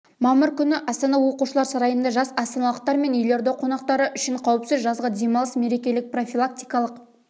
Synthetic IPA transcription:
mɑməɾkʲʰʏnɪʔɑst̪ɑnɑwo̞quʃəlˠɑɾsɑɾɑjənd̪ɑʒɑsɑst̪ɑnɑlˠəq̚t̪ɑɾme̞nʏjle̞ɾd̪eqʰonɑqt̪ɑɾəʔʏʃɪɴqʰɑwəpsɪzʒɑzʁɑd̪e̞mɑlˠəsme̞ɾe̞kʲe̞lɪk̚pro̞fʲilˠak̚t̪ijkɑlˠəq

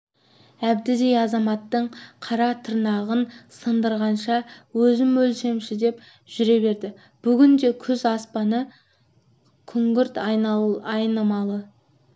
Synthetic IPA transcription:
æbd̪ɪd̪e̞jɑzɑmɑt̪ːəɴqʰɑɾɑt̪ʰəɾnɑʁənsənd̪əɾʁɑnʃɑwɵzɪmːɵlse̞mʃɪd̪e̞p | ʒ̥ʏɾe̞βe̞ɾd̪ɪ | b̥ʏɡʲɪnd̪e̞kʲʰʏzɑspɑnə | kʲʰʏŋɡʲɪɾt̪ | ɑjnɑmɑlˠə

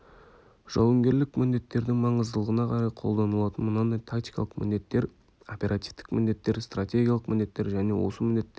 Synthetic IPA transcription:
ʒ̥ɑ̰wəŋɡʲe̞ɾlɪkmɪnd̪e̞t̪ːe̞ɾd̪ɪŋmɑɴəzd̪əlˠəʁənɑqʰɑɾɑjqʰo̞lˠd̪ɑnəlˠɑt̪ənmənɑnd̪ɑjt̪ʰakt̪ijkɑ̰lˠəqmʔɪ̰nd̪e̞t̪ːe̞ɾ | opʲe̞ɾʔat̪ift̪ɪ̥kmɪnd̪e̞t̪ːe̞ɾst̪ratʲe̞ɡʲijalˠəqmɪnd̪e̞t̪ːe̞ɾʒæne̞̰wo̞̰səmɪnd̪e̞t̪ːe

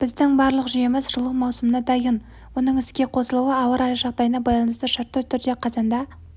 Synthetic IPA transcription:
b̥ɪzd̪ɪŋbɑɾlˠəqʒʏje̞mɪzʒʊlˠuwmɑwsəmənɑd̪ɑjən | wo̞nəɴɪskʲe̞qʰo̞səlˠuwəɑwəɾɑjʒɑq̚d̪ɑjənɑbɑjlˠɑnəst̪əʃɑɾt̪ːət̪ʰʏɾd̪e̞qʰɑzɑnd̪ɑ

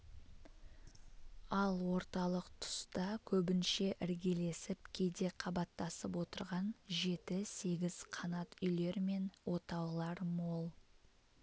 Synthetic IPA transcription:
ɑlˠwo̞ɾt̪ɑlˠəqt̪ʰʊ̥st̪ɑkʲʰɵbɪnʃe̞ʔɪɾɡʲe̞le̞sɪp̚kʲʰe̞d̪e̞qʰɑbɑt̪ːɑsəpwo̞t̪əɾʁɑnʒe̞t̪ɪse̞ɡʲɪz̥qʰɑnɑt̪ʏjle̞ɾme̞nwo̞t̪ɑwlˠɑɾmo̞lˠ

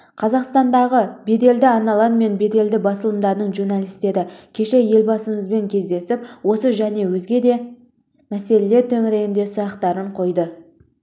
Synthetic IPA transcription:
qʰɑzɑqst̪ɑnd̪ɑʁəbe̞d̪e̞ld̪ɪɑnɑlˠɑnme̞nbe̞d̪e̞ld̪ɪbɑsəlˠəmd̪ɑɾnəɴʒuɾnɑlˠijst̪e̞ɾɪkʲʰe̞ʃe̞je̞lʲbɑsəɴəzbe̞ŋkʲʰe̞zd̪e̞sɪpwo̞səʒæne̞wɵzɡʲe̞d̪e̞ | mæse̞le̞le̞ɾt̪ʰɵŋɪɾe̞jɪnd̪e̞sʊɾɑqt̪ɑɾəɴqʰo̞jd̪ə

